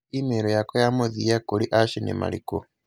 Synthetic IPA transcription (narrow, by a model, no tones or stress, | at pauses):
imeɾojakojamuðijakuliʔaʃinḛma̰lḭko̰